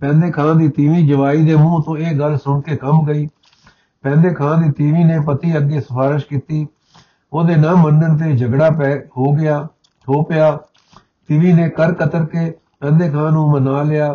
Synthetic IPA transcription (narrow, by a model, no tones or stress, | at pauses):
pɛ̃ːnd̪eːkʰãːd̪iːt̪iʋiːd͡ʒəʋaːiːd̪eːmũːt̪õːeːɡəlsʊɳkeːkəmɡəiː | pɛ̃ːnd̪eːkʰãːd̪iːt̪iːʋiːneːpət̪iːəɡːeːsəpʰaːɾɪʃkiːt̪iː | oːd̪eːnãːməɳɖənt̪eːd͡ʒəɡɽaːpɛɦoːɡɪjaː | oːpɪjaː | t̪ɪʋiːneːkəɾkət̪əɾkeː | pɛ̃ːnd̪eːkʰãːnũːmənaːlɪjaː